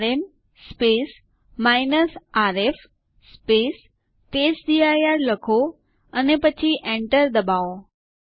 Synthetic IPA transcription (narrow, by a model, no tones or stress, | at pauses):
ɾem | spes | mainəsaɾef | spes | ʈesɖiajaɾləkʰo | ənepət͡ʃʰiʔẽɳʈəɾd̪əbao